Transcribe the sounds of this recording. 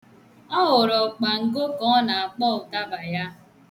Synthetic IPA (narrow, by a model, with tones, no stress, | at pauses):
ɔ˦ɦʊ˨ɾɔ˨k͡pa˨ŋ̩˨ɡo˦kɔ˦na˨a˨k͡pɔ˦˨ʊ˨ta˦ba˨ja˦